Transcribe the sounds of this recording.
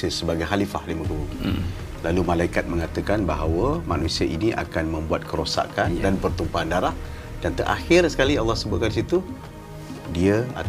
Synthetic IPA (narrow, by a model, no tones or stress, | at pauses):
iəsəbaɡajɦalifahdiməɡəuŋ | lalumalaikat̪̚mə̃ŋat̪əkanbaɦawəmanusiəʔiniʔa̰kanmə̃mbuat̪̚kəɾosa̰kandanpərt̪umpaandaɾah | d̥ant̪əɾʔa̰xɪrsə̥kalialːɔhsəbʊt̪kandisit̪u | diəa̰